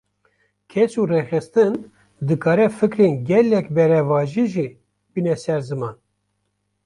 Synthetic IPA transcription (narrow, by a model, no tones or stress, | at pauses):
kʰɛt͡ʃuːrexɨst̪ɨn | d̪ɨkʰɑːɾɛfɨkɾeːnɡʲɛlɛkbɛɾɛvɑːʒiʒi | binɛsɛɾzɨmɑːn